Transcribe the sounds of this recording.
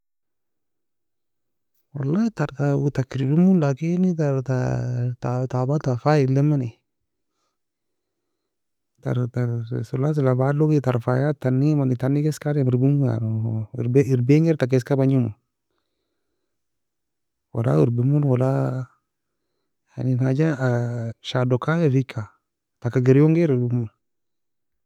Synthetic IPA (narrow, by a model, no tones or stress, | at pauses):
walːataɾtatakiɾbimunlakinitaɾtatatabatafailːɛmani | ta̰ɾtaɾsulas̬ilabalokitaɾfajatanːimanitanːikɛskaɾɛmiɾbimua̰ɾɾbiɾbeŋɛɾtak̬ɛskabaɲumu | wa̰la̰wiɾbimunwala | a̰ninad͡ʒaaʃadokajafikʰːa | takaɡeɾjoŋɡeɾbimun